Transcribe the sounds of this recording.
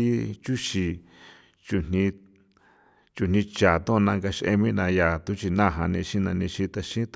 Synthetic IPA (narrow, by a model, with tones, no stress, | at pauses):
t͡ʃu˦ʃi˧ | t͡ʃu˧n̥nĩ˧ | t͡ʃu˧n̥ĩ˧t͡ʃa˨t̪õ˦˧nã˧ŋɡa˧ʃʔḛ˧mĩ˦nã˧ja˨t̪u˦t͡ʃi˧nã˦˨ɦã˧nĩ˧ʃĩ˦nã̰˧nĩ˧ʃĩ˦t̪a˧ʃĩ˦t̪